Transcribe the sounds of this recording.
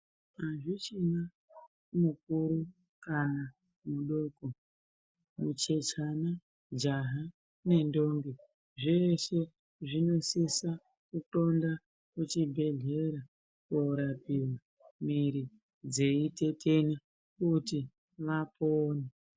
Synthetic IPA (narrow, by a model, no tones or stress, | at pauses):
ɦaʐit͡ʃina | muk̚uɾu | kana | muɗo̞ːko | mut͡ʃe̞t͡ʃana | d͡ʒaɦa | ne̞ndo̞ŋɡi | ʐeʃe̞ | ʐino̞sisa | kuto̞nda | kut͡ʃibʱe̞ɮe̞ɾa | koɾapiwa | miɾi | d͡ze̞ite̞teni | kuti | ʋapʰoːna